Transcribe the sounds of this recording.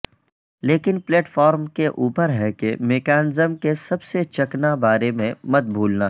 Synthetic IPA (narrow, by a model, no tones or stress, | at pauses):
leːkɪnpleːʈfɔːɾmkeʔuːpəɾɦɛkemeːkɛːnɪzəmkesɐbset͡ʃɐknabaːɾemẽmɐt̪̚bʱuːlna